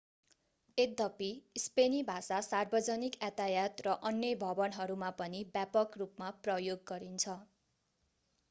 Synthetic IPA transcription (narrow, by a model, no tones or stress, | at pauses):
ed̪ʌpispenibʱasasarbʌd͡zʌnikat̪ajat̪rʌʔʌnːjʌbʱʌbʌnɦʌɾumapʌnibjapʌkrupmaprʌjoɡːʌɾint͡sʰʌ